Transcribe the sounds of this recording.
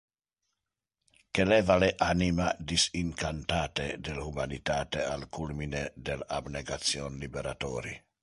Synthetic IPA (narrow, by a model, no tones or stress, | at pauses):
kelevaleʔanimad̪isiŋkant̪aːt̪ed̪elumanit̪aːt̪ealkulmined̪elabneɡat̪sjɔnlibeɾat̪ɔːɾi